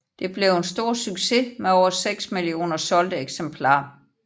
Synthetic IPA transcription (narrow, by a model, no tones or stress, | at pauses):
d̥e̝b̥le̝ʊensd̥o̝ɐ̰syɡ̥se̝meɒʊɐseɡ̥smilio̝̰ːnɐsɒ̽ld̥əeɡ̥sempʰlɑ̰̈ː